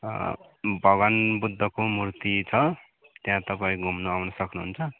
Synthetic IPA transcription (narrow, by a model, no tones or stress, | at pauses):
bʱʌɡʌnbud̪ʱːʌkomurt̪it͡sʰʌ | t̪jãt̪ʌpaĩɡʱumnoawnʌsʌknuɦunt͡sʰʌ